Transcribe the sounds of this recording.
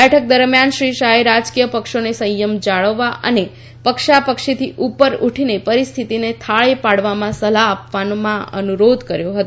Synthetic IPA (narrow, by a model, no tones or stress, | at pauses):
ɛʈʰək̚d̪əɾmjanʃɾiʃaɦeɾad͡ʒkijəpəkʃonesəjəmd͡ʒaɭəʋːaʔə̰ne | pəkʃapəkʃet̪ʰiʔupəɾuʈʰinepəɾist̪ʰit̪inet̪ʰaɭepaɽʋamãsəlaːpʋanomãə̰nuɾod̪ʱkəɾjoɦət̪